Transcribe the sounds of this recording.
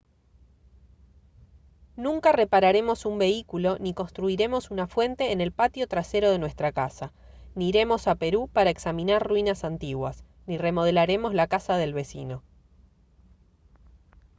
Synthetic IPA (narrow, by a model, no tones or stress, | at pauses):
nũŋkare̞paɾaɾe̞mo̞sumbe̞ikulo̞niko̞nst̪ɾuiɾe̞mo̞sunafwe̞nt̪e̞ːne̞lpat̪jo̞t̪ɾase̞ɾo̞ð̞e̞nwest̪ɾakasa | niːɾe̞mo̞sape̞ɾupaɾaeksamĩnaɾrwinasant̪iɣwas | nire̞mo̞ð̞e̞laɾe̞mo̞zlakasaðe̞lβe̞sḭno̞